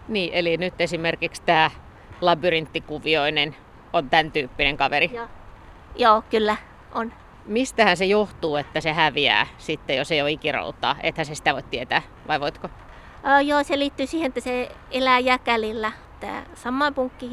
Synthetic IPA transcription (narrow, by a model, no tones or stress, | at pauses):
niːʔelinyt̪ːesimerkikst̪æː | lɑbyrint̪ːikuʋioinen | ont̪ænt̪yːpːineŋkɑʋeri | joːkylːæ | ʔon | mist̪æhænsejoht̪uːet̪ːæsehæʋiæ̰ːsit̪ːejoseijoikiro̰ut̪ˑɑ̰ːʔḛt̪hænsesi̥t̪æʋoit̪t̪iet̪æː | ʋɑiʋoit̪ko | øːjoːseliːt̪ːyːsiːhenet̪ːæseelæjæːkælilːæ | t̪ːæ̰ːsɑmːɑimpuŋkːi